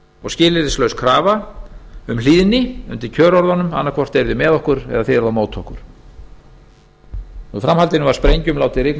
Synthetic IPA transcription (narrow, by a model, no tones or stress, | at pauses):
ɔɣscɪːlɪɾɪslœɥskʰɾaːva | ʏmliːðnɪʏ̰nt̪ɪɾcʰœːɾɔɾðɔnʏma̰nːakʰvɔr̥t̪vejɾðʏmɛːðɔhkʏɾɛ̰ðaθɪɛɾðamoːwt̪ʰɔhkʏɾ̥ | ɔɣfɾamhalt̪ɪnʏmvaɾspɾejɲcʏmlaːwt̪ɪɾɪkn